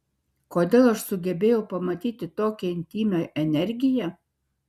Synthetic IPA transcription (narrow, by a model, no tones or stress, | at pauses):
koːd̪ʲeːlˠɐʃsʊɡʲɛbʲeːjɛʊpɐmɐt̪ʲiːt̪ʲɪt̪oːkʲɛɪnʲt̪ʲiːmʲɛʔɛnʲɛɾʲɡʲɪjɛ